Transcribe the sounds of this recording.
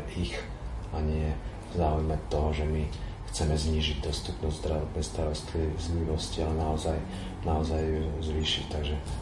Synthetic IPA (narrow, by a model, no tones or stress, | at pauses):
ix | aɲɪɛ | vzaːujmɛt̪ɔɦɔʒɛmi | xt͡sɛmɛzɲiːʒiɟd̪ɔst̪upnɔzzd̪ɾaɔd̪̚bɛst̪aɾɔst̪izɲiʋɔscialɛnaɔzaj | naɔzajuzʋiːʃit̪aɡʒɛ